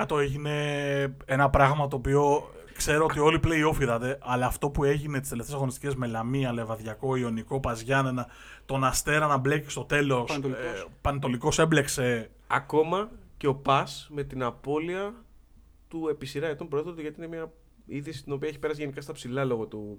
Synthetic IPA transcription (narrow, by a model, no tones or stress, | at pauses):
kɐt̪oeʝine̞enɐpɾɐɣmɐt̪̬o̞ːpio̞ | kse̞ɾoot̪io̞liple̞io̞fiðɐt̪e̞ʔɐlɐːft̪o̞pue̞ʝinet̪i̥st̪eleft̪esɐɣonist̪ice̞zme̞lɐmiɐlevɐðʝɐko̞io̞niko̞pɐzʝɐnenɐ | t̪o̞nɐst̪e̞ɾɐnɐble̞ci̥st̪o̞t̪e̞lo̞spɐnt̪o̞liko̞se̞ble̞kse̞ | ɐ̰ko̞mɐce̞o̞pɐsme̞t̪inɐpo̞liɐ | t̪ue̞pisiɾɐet̪ompɾoeθot̪oʝɐt̪iinemiɐ | iðisi̥st̪ino̞piɐeçipe̞ɾɐsiʝe̞nikɐst̪ɐpsilɐlo̞ɣot̪u